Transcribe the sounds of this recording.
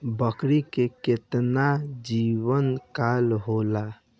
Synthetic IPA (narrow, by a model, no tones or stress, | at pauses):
bəkɾikeket̪nad͡ʒiwənkalɦola